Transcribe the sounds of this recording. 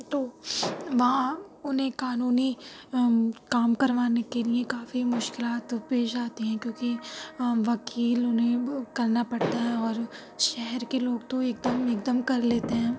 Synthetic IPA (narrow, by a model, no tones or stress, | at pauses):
t̪oːʋɐɦãʊnɦẽkaːnuːni | kaːmkɐɾʋaːnekeliekaːfimʊʃkɪlaːt̪peːʃaːt̪eɦɛ̃kjõːki | ʋɐkiːlʊnɦẽkɐɾnapɐɽt̪aɦɛ̃ɔːɾ | ʃɛɦɛɾkeloːɡt̪oeːk̚d̪əmeːk̚d̪əmkɐɾleːt̪eɦɛ̃ː